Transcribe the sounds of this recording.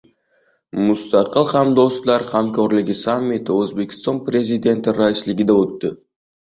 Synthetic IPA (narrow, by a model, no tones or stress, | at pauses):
must̪ɑqɯlˠqʰɑmd̪oslˠɑɾqʰɑmkʲøɾlɪɡʲisamʲːit̪øzbekʲst̪onprʲezʲɪd̪ʲe̞nt̪iɾɑjsliɡʲid̪aøt̪ːy